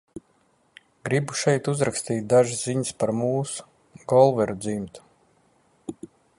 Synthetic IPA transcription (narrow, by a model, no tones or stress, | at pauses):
ɡ̥ɾibuʃɛjt̪uzɾakst̪iːt̪̚ʲd̪aʒɨsziɲɨspaɾmuːsu̥ | ɡɔlˠvɛɾud̪zimt̪u̥